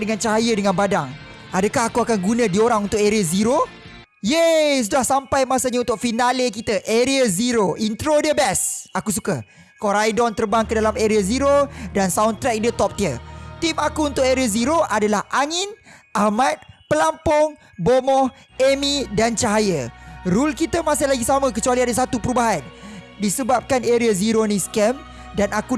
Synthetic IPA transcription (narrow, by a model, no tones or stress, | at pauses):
dəŋãnt͡ʃaɦajədəŋãnbadaŋ | adəkaɦakuakanɡunə̃dioɾaŋunt̪ʊkeɾiəziɾo | jes̬udahsampajmasaɲaunt̪ʊk̚finalekit̪əʔeɾiəziɾoint̪ɾodiəbɛsakus̬ukə | kɔɾajdɔnt̪ərbaŋkədalameɾiaziɾodansawnt̪ɾɛk̚diət̪ɔp̚t̪iət̪imakuunt̪ʊʔ̚eɾiaziɾoʔadalahʔaŋɪ̃nʔahmat̪̚pəlampʊŋ | bomɔh | emĩdant͡ʃaɦajəɾulkit̪əmãsɪhlaɡisamə̃kət͡ʃualiadəs̬at̪upəɾubaɦandisəbap̚kaneɾiaziɾonĩskɛm | danaku